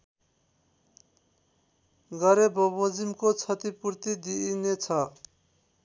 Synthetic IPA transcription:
ɡʌɾebʌbʌd͡zimkot͡sʰʌt̪ipuɾt̪id̪inet͡sʰʌ

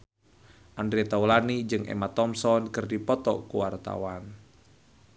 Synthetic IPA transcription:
ʔandɾiet̪aulanid͡ʒɨŋʔɛ̰mat̪ɔmsɔnkɨrdipɔt̪ɔ̰kuwart̪a̰wan

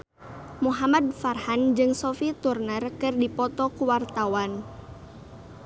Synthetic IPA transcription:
muɦamad̚farhand͡ʒɨŋsɔfit̪urnərkɨrdipɔt̪ɔkuwart̪awan

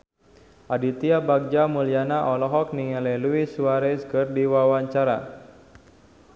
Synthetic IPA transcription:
ʔadit̪iabaɡ̚d͡ʒamulianaʔɔlɔɦɔk̚niŋalɛluisuaɾɛskɨrdiwawaɲt͡ʃaɾa̰

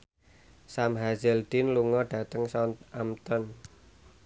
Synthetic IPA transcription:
samɦazɛld̪̥ɪnluŋɔɖ̥a̤t̪əŋsɔnamt̪ɔn

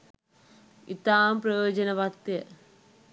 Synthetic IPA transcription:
it̪aːmpɾɐjoːd͡ʒɐnɐʋɐkt̪jə

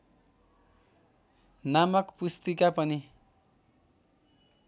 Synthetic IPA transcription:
namʌkpust̪ikapʌni

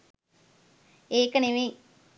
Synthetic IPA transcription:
eːkəneʋe

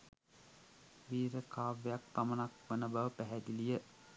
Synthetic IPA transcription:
ʋiːɾəkʰaːʋejak̚pamənak̚ʋənəbaʋəpæɦæd̪ilijə

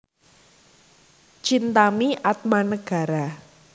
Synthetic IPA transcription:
t͡ʃint̪amiʔat̪̚manəɡ̥a̤ɾa

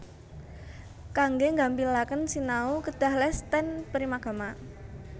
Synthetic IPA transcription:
kaŋɡeŋɡambilakənsinaukəd̥a̤hlɛst̪ɛnpəɾimaɡ̥a̤ma

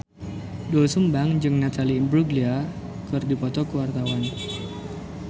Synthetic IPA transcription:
dɔsumbaŋd͡ʒɨŋnat̪aliːmbɾuɡlia | kɨrdipɔt̪ɔkəwart̪awan

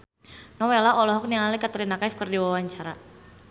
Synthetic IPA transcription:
nɔwɛlaʔɔlɔɦɔk̚nialikat̪uɾinakafkərdiwawaɲt͡ʃaɾa

